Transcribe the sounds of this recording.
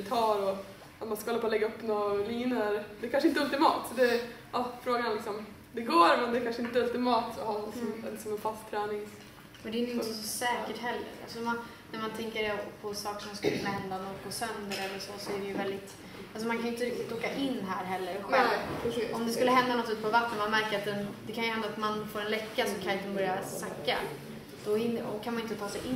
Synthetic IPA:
t̪ʰɑːɾɔ | at̪manskaɔlaːpalɛɡːaɵpːnoliːnəɾd̪ɛɾkanʂəɪnt̪əɵlt̪ɪmɑ̰ːt̪sɔd̪ɛ | ʔɑːfɾoːɡaɾanlɪksɔm | d̪ɛɡoːɾmɛnd̪ɛːkʰanʂəɪnt̪əɵlt̪ɪmɑːt̪ɔhɑːslːɪksɔmɛnfast̪t̪ʰːɾɛːnɪŋs | mɛnd̪ɛɪnɪnəsɔsɛːkəʈɦɛlːə̰ɾa̰lsɔman | næɾmant̪ʰɛŋkəɾɛpʰɔsɑːkə̥ʂɔmskɵlːkʰɵnːahɛnd̪anoːkpɔsœnd̪əɾɛlːəʂɔsɔæɖɛjɵvɛld̪ɪt̪ | ʔals̬ɔmankʰanʏʏnt̪əɾɪk̚t̪ɪt̪oːkaʔɪnːɦæːɾɦɛlːəɾɧɛlɔmd̪ɛskɵlːəɦɛnd̪anat̪ʰʉːlɪt̪pʰɔvat̪ːənmanmæɾkəɾat̪̚d̪ɛnd̪ɛkʰanjɵhɛnd̪at̪manfoːɾɛnlɛkːasɔmkʰajt̪ənbœɾjasakːa̰ | d̪̥ɔɪnɔkʰanmanɪnt̪ət̪ʰɑːsɛjʔɪ

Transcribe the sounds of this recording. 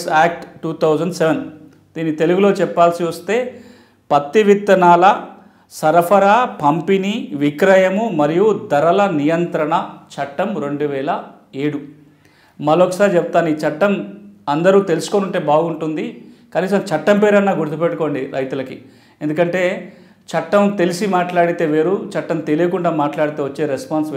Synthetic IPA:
saːk̚ʈʈuːt̪ʰɐwd͡ʒɐɳɖseʋen | d̪̥iːnːit̪eluɡulo̞ːt͡ʃɛpːaːlsiʋɐst̪e̞ː | pɐt̪ːiʋit̪ːɐnaːlɐ | sɐɾɐpʰɐɾapɐmpiniʋikɾɐjɐmumɐɾijud̪ɐɾɐlɐnijɐnt̪ɾɐɳɐt͡ʃɐʈːɐmɾo̞ɳɖuʋɛːlɐ | eːɽu | mɐlokɐsaːɾit͡ʃeput̪aːniːt͡ʃɐʈːɐmɐnd̪ɐɾuːt̪e̞lusu̥konuɳʈe̞ːbaːɡuɳʈund̪ikɐniːs̬ɐmt͡ʃɐʈːɐmpeːɾɐnːaːɡuɾt̪̬upeʈːuko̞ːɳɖiɾɐjt̪ulɐkḭ | e̞nd̪ukɐɳʈe̞ː | t͡ʃɐʈːɐmt̪e̞lisimaːʈlaːɽit̪e̞ːʋe̞ːɾut͡ʃɐʈːɐmt̪elijɐkuɳɖaːmaːʈlaːɽit̪eːʋɐt͡ʃːe̞ːɾespaːns

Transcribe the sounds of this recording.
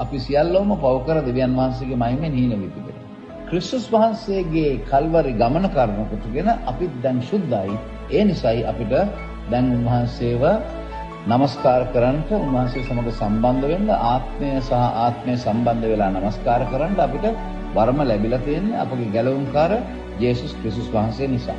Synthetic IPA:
apisijalːɐuməpaʋukəɾad̪eʋijanʋɐɦans̬eɡemajmːeniːnəʋit̪idḛ | kɾist̪usʋɐɦanseːɡeːkʰalʋaɾiɡamənəkaɾnəkot̪uɡenəʔapit̪d̪ɛŋsud̪ːaj | eːnisajʔa̰piʈə | d̪ɛŋunʋɐɦanseːʋə | naməskaːɾəkəɾaɳʈəunʋɐɦansesamɐɡ̪əsamband̪əʋenːəʔaːt̪məjəsaɦɐʔaːt̪məjəsamband̪əʋelaːnamɐskaːɾəkəɾaɳʈəapiʈə | ʋaɾməlæbilat̪ijenːea̰pəɡeɡæləʋuŋkaːɾə | d͡ʒeːsuskɾist̪usʋaɦansejənisa̰ː

